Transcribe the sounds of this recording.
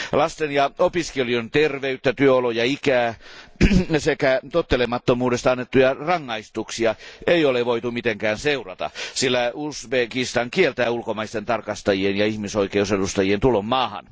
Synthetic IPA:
lɑst̪enjɑopiskeliont̪erʋeyt̪ːæt̪yøolojɑikæː | sekæt̪ot̪ːelemɑt̪ːomuːdest̪ɑɑnːet̪ːujɑrɑŋːɑist̪uksiɑeioleʋoit̪umit̪eŋkæːnseurɑt̪ɑ̰silːæusbekist̪ɑŋkielt̪æːulkomɑist̪ent̪ɑrkɑst̪ɑjienjɑihmisoikeusedust̪ɑjient̪ulomːɑːhɑ̰n

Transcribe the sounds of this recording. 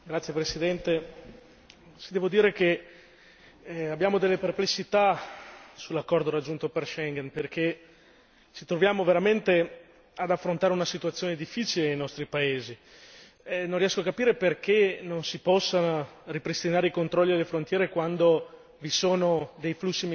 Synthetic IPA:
ɡɾat̪sːjepɾesid̪ɛnt̪e | sid̪ɛːvod̪iːɾeke | abjaːmod̪elːeperplesːit̪a | sulːakːɔrd̪oɾad͡ʒːunt̪operʃɛŋɡɛnperke | t͡ʃit̪ɾovjaːmoveɾament̪e | ad̪afːɾont̪aːɾeunasit̪ut̪sːjoːned̪ifːiːt͡ʃilenejnɔst̪ɾipaeːzi | ɛnõnrːiɛskoakapiːɾeperkenonsipɔsːaripɾist̪inaːɾeikont̪ɾɔlːid̪elːefɾont̪jɛːɾekwand̪o | visoːnod̪ejflusːim

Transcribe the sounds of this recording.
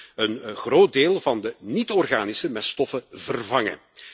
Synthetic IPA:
ənɣroːt̚deːlˠvɑndənitɔrɣaːnɪsəmɛstɔfəvərvɑŋə̰

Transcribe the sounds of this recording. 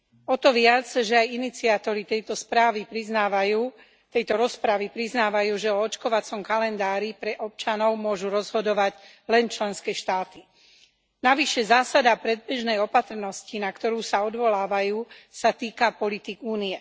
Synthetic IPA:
ɔt̪ɔʋɪad͡zʒɛajinit͡siat̪ɔɾit̪ɛjt̪ɔspɾaːʋipɾiznaːʋajuː | t̪ɛjt̪ɔɾɔspɾaʋipɾiznaːʋajuːʒɛɔɔt͡ʃkɔʋat͡sɔmkalɛnd̪aːɾipɾɛʔɔp̚t͡ʃanɔʊmʊɔʒuɾɔzɦɔd̪ɔʋaɟ | lɛnt͡ʃlɛnskɛːʃt̪aːt̪i | naʋiʃɛzaːsad̪apɾɛd̪̚bɛʒnɛjɔpat̪r̩nɔscinakt̪ɔɾuːsaɔd̪ʋɔlaːʋajuːsat̪iːkapɔlit̪ikuːniɛ

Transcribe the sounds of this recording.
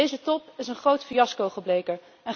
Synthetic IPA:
ejzətɔpɪsənχrowtfiɑskowχəblejkə | ɛn

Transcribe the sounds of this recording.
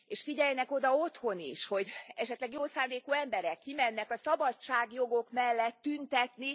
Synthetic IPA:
eːʃfiɟɛjnɛko̞d̪ɒo̞t̪ho̞nḭʃho̞ɟɛʃɛt̪lɛɡjoːsaːnd̪eːkoːɛmbɛɾɛkːimɛnːɛkɒsɒbɒtt͡ʃaːɡjo̞ɡo̞kmɛlːɛt̪ːynt̪ɛt̪ni

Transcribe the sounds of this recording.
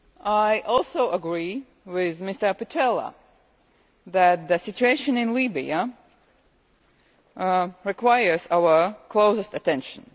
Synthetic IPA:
ajʔɔlˠsoʊʔəɡɹiː | wɪðmɪst̪ə˞pɪtʰɛlˠə̰ | ðæt̪̚ðəsɪt͡ʃueɪʃə̃nɪ̃nlibḭə | ɹikwajə˞zawə˞kloʊsəst̪ətɛ̃nʃə̃n

